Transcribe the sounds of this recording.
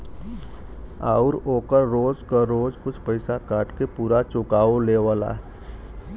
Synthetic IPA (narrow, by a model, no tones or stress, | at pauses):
aːʊɾoːkəɾːoːzkaɾoːzkʊt͡ʃʰpəɪsakaːʈkepuːɾat͡ʃʊkaːoleːʋaːla̰ːɦ